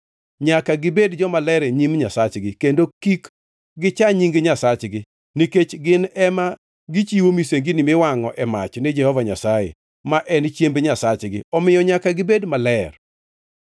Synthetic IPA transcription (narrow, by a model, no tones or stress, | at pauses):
ɲakaɡɪbedd͡ʒɔmalɛɾeɲimɲasat͡ʃɡɪkendokik | ɡɪt͡ʃaɲiŋɡeɲasat͡ʃɡɪ | niket͡ʃɡɪnɛma | ɡɪt͡ʃiwomiseŋɡɪnɪmɪwaŋɔ̰ʔɛma̰t͡ʃnid͡ʒɛhɔvaɲa̰sajḛ | maʔɛnt͡ʃjembɲasat͡ʃɡɪ̰ɔmɪjɔɲakaɡɪbedmalɛr